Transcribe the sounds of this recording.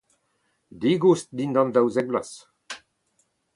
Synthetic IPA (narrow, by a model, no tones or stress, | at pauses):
d̪iɡust̚d̪ind̪ɑ̃nd̪awzɛɡ̚blas